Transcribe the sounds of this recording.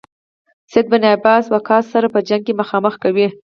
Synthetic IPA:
sed̪̚baniabɑswakʰɑsːaɾapəd͡ʒaŋɡ̚keməxɑməxkawi

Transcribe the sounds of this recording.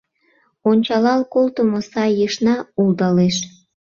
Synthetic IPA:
onʲt͡ɕɑlɑlkolt̪əmosɑjəʃnɑuld̪ɑleʃ

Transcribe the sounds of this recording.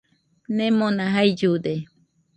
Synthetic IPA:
nẽmõnãɦaid͡ʒud̪e

